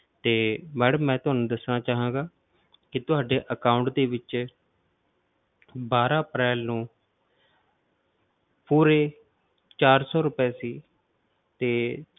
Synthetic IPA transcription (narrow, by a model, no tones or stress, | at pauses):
t̪eːmɛːɖmːɛ̃ːt̪ʊɦaːnũːd̪əsnaːt͡ʃaːɦãːɡaː | kɪt̪ʊɦaːɖeːʔəkaːʊɳʈd̪eːʋɪt͡ʃ | baːɾaːəpɾɛːlnũː | puːɾeː | t͡ʃaːɾsɔːɾʊpeːsiː | t̪eː